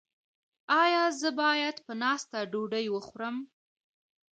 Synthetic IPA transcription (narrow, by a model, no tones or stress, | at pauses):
ɑjɑzəbɑjad̪pənɑst̪aɖoɖəjwəxɾəm